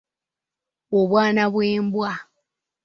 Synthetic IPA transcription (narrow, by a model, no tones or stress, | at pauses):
oβwaːnaβweːmbwa